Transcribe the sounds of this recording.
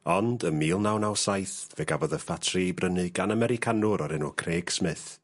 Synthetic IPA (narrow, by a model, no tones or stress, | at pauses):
ɔndəmiːlˠnawnawsajθvɛɡavɔðəfatʰribrənɨɡanəmɛɾɪkʰanuɾɔɾɪnukʰreːɡ̥smɪθ